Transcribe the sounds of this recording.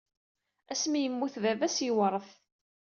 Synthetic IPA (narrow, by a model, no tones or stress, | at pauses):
æsmijəmːuθðævæsjiwəɾˤəθ